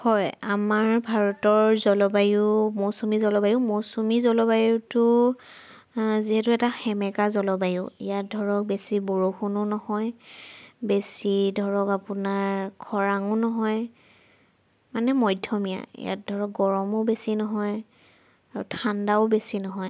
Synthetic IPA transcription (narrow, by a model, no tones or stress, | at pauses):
hɔjamaɹbʱaɹɔtɔɹzɔlɔbajumosumizɔlɔbajʊmosumizɔlɔbajutʊ | ziɦɛtʊɛtaxɛmɛkazɔlɔbajʊ̰ḭjat̚dʱɔɹɔk̚besiboɹoxunʊnɔhɔj | besidʱɔɹɔkapunaɹkʰɔɹaŋʊnɔɦɔj | manɛmɔjdʱjɔmija̰ḭja̰t̚dʱɔɹɔk̚ɡɔɹɔmʊbesinɔɦɔj | aɹutʰandaʊbesinɔɦɔj